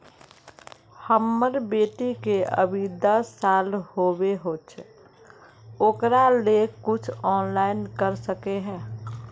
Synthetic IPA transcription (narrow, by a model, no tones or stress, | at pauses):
həmːəɾbeːʈikeə̰bʱid̪əsːaːlhoːbeɦoːt͡ʃʰː | oːkɾalekʊt͡ʃʰɔːnlaːɪnkəɾsəkeɦɛ̃ː